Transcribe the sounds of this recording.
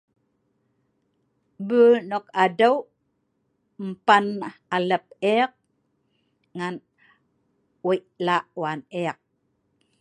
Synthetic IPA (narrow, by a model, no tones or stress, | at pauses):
bəːnokadaw | m̩panaləp̚iɑq̚ | ŋan | wiʔlaːʔwaniɑq̚